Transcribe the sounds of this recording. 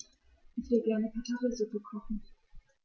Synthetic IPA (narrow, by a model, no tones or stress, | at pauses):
ʔɪçv̥eːəɡɛɐnəpʰetʰaʁəzʊpəkʰɔχn̩